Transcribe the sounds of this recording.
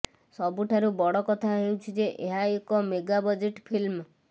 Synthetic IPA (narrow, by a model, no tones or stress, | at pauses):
sɔbuʈʰaɾubɔɽɔkɔt̪ʰaɦewt͡ʃʰid͡ʒeʔeɦaekɔmeɡabɔd͡ʒeʈpʰilm